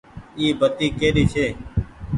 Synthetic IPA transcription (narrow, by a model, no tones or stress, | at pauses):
iːbʱət̪iːkeːɗiːt͡ʃʰeː